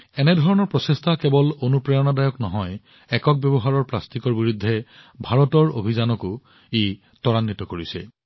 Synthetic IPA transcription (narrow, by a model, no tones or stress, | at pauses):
ɛnɛdʱɔɹɔnɔɹpɹɔsestʰakɛbɔlonupɹajɔnadajɔknɔɦɔj | ɛkɔk̚bjɔbɔɦaɹɔɹplastikɔɹbiɹudʱːɛbʱaɹɔtɔɹo̰bʱizanɔkʊ | e | tɔɹanːitɔkoɹisɛ̰